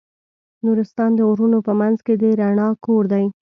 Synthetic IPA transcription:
nuɾɪst̪ɑnd̪əuɾunopəmanzked̪əɾaɳɑkoɾd̪aj

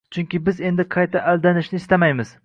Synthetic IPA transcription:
t͡ʃʰʊŋkʲɪbɪze̞nd̪ɪqʰɑjt̪ʰaʔald̪anɪʃnɪːst̪amajmɪz̥

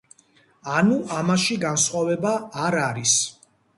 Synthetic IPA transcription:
anuʔamaʃiɡansχwavɛbaːɾaɾis

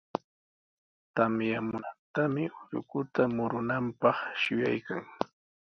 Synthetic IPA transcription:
t̪amjamʊnat̪amɪʊʎʊ̰kʊt̪amʊɾʊnampɑχʃʊjajkaŋ

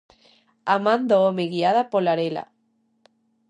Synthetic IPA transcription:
amãnd̪oomeɣiaðapolaɾela̰

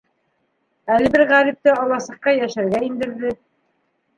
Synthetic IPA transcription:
ælɘ̆bɘɾʁæɾip̚t̪ɘɑlˠɑsɤ̆qːɑjæʃæɾɡæind̪ɘ̆ɾðɘ

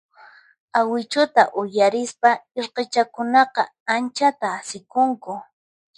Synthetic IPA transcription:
awɪt͡ʃʊt̪aʔʊjaɾɪspaeɾqet͡ʃakʊnɑqɑ | ant͡ʃat̪aːsɪkʊŋkʊ

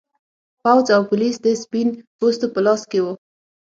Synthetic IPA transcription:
pawzawpulisd̪əspinpost̪opəlɑskewo

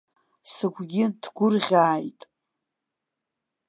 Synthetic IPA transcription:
sɨɡʷɡʲɪdʰɡʷʊrʁʲaːjtʼ

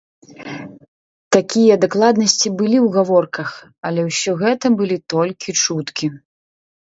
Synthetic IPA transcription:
t̪akʲijɐd̪aklˠad̪nɐsʲt͡sʲibɨlʲiwɣavɔrkɐxɐlʲɛwsʲɔɣɛt̪ɐbɨlʲit̪ɔlʲkʲit͡ʂut̪kʲi

